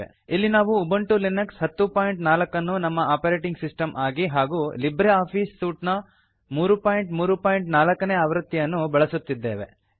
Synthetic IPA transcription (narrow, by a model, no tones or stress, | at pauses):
ḛ | ilːinaːʋuːbɐɳʈulinɐksɦɐt̪ːupaːjɳʈnaːlɐkːɐnːunɐmːɐʔaːpɐɾeːʈiŋɡsisʈɐmʔaːɡiɦaːɡuːlibɾeaːpʰiːsːuːʈnɐ | muːɾupaːjɳʈmuːɾupaːjɳʈnaːlɐkːɐneːaːʋɾɐt̪ːijɐnːubɐɭɐsut̪ːid̪ːe̞ːʋe̞̰